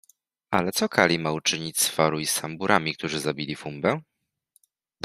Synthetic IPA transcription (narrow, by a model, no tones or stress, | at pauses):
alɛt̪sɔkʰalʲimaut͡ʂɘɲit͡ɕʲsfaɾuisambuɾʔamʲik̚t̪uʐɘzabʲilʲifumbɛ